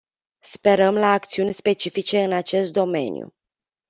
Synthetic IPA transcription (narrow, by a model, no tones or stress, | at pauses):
spe̞ɾəmlaːk̚t̪siunʲspe̞t͡ʃifit͡ʃe̞ɨnat͡ʃe̞st̪̚d̪o̞me̞̰njṵ